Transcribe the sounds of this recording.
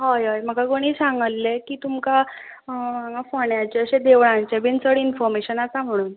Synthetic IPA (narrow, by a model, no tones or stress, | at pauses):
ɦojɦɔjm̤əɡaɡoɽ̃isaŋɡəlːekiːt̪umka | maɡafoɳjat͡ɕeəɕẽd̪eʋɭãɲt͡ɕebint͡səɽinfɔɾmeɕənat͡sam̤əɽ̃uːn